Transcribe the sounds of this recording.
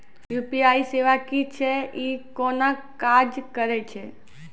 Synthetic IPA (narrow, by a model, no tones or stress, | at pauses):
juːpiaiseʋakit͡ʃʰeikɔnakad͡ʒkəɾet͡ʃʰe